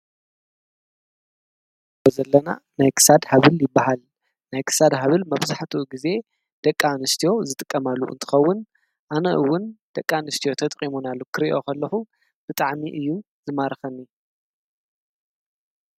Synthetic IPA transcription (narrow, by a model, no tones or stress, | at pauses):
bɐzɐlːɐna̰najkʰɨ̥sad̪haβɨljɪbːaɦal | najkʰɨ̥sad̪ɦaβɨlmɐβzaħt̪ʰuʔɡize̞ | d̪̥ɐkʼːanɨst̪ʰijo̞zɨt̪ʼɨkʼːɐmalːṵʔɨ̰nt̪ʰɨ̥xɐwːʊn | ʔanɐʔɨwːʊnd̪̥ɐkʼːanɨst̪ʰijo̞t̪ʰɐt̪ʼqʼimunalːukʰɨɾiʔo̞kʰɐlːɐxu | b̥ɨt̪ʼaʕmiʔɨjːu | zɨmaɾxɐnːi